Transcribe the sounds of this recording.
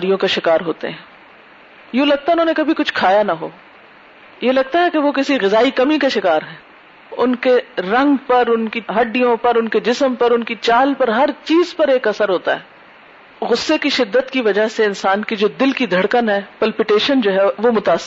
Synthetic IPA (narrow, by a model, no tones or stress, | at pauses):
ɾijõkaʃɪkaːɾɦoːt̪ḛɦɛ̃ː | jũlɐɡ̚t̪aɦɪnɦõːnekɐbʱikʊt͡ʃʰkʰaːjanɐɦo̰ː | jelɐɡ̚t̪aɦɛkeʋokɪsiɣɪzaːikɐmikaʃɪkaːɾɦɛ̃ː | ʊnkeɾɐ̃ŋɡpɐɾʊnkiɦɐɖːijõpɐɾʊnked͡ʒɪsəmpɐɾʊnkit͡ʃaːlpɐɾɦɐɾt͡ʃiːzpɐɾeːkɐsəɾɦoːt̪a̰ɦɛː | ɣʊsːekiʃɪd̪ːət̪kiʋɐd͡ʒaɦseɪnsaːnkid͡ʒoːd̪ɪlkid̪ʱɐɽkənɦɛːpɐlpɪʈeːʃənd͡ʒoːɦɛʋomʊt̪aːs